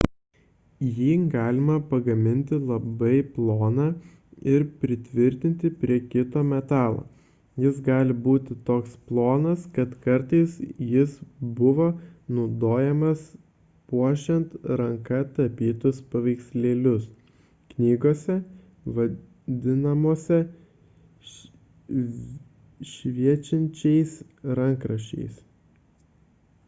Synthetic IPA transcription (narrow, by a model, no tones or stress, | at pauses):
jiːɡɑːlʲɪmɐpɐɡɐmʲɪnʲt̪ʲɪlˠɐbɐɪplˠoːnɑː | ɪɾpʲɾʲɪt̪ʲʋʲɪɾʲt̪ʲɪnʲt̪ʲɪpʲɾʲiɛkʲɪt̪oːmʲɛt̪ɑːlˠo̰ː | jɪsɡɑːlʲɪbuːt̪ʲɪt̪oːksplˠoːnɐskɐt̪kɐɾt̪ɐɪsjɪsbʊʋoːnɐʊd̪oːjɛmɐs | puɔʃʲɛnt̪ɾɐŋkɐt̪ɐpʲiːt̪ʊspɐʋʲɛɪksʲlʲeːlʲʊs | knʲiːɡoːsʲɛ | ʋɐ | d̪ʲɪnɐmoːsʲɛ | ʃʲʋʲiɛt͡ʃʲɪnʲt͡ʃʲɛɪs | ɾɐŋkɾɐʃʲt͡ʃʲɛ̰ɪs